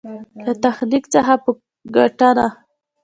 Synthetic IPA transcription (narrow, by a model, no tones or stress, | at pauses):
lat̪axnikt͡səxapə | ɡaʈana